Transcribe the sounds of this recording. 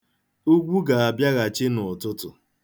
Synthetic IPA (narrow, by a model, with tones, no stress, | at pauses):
u˦ɡʷu˦ɡa˨a˨bja˦ɣa˨t͡ʃɪ˦nʊ˨tʊ˦tʊ˨